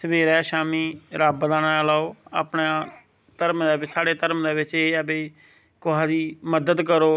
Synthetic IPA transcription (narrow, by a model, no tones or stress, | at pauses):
səbeːɾɛːʃaːmiːɾaːbd̪aːnaːalaːoːa̰ːpɳaː | t̪əɾmd̪aːbɪsaːɽeːt̪əɾmd̪eːbɪt͡ʃeːabeː | kʊɦaːd̪iːməd̪əd̪kəɾoː